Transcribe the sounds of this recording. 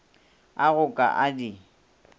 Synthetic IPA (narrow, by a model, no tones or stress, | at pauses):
aɣʊkʼa̰ʔadi